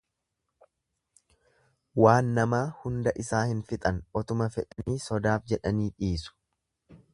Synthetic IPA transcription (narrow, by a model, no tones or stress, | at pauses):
waːnːɐmaːhʊnd̪ɐʔɪsaːhɪnfɪt̪ʼɐnʔɔt̪ʊmɐfɛᶑɐniːsɔd̪aːfd͡ʒɛᶑɐniːᶑiːsʊ̥